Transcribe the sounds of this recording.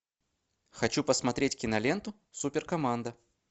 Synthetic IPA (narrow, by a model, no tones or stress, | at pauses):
xɐt͡ɕupəsmɐt̪ɾʲetʲkʲɪnɐlʲe̞nt̪ʊ | supʲɪrkɐmand̪ə